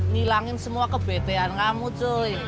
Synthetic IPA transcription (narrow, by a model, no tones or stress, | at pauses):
nilaŋɪnsəmuakəb̥et̪eankamut͡ʃoj